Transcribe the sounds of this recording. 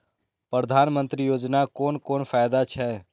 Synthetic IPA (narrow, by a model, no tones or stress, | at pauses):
pɾəd̪ʱaːnmə̃nt̪ɾijoːd͡ʒnakoːnkoːnfʰaːjd̪at͡ʃʰɛ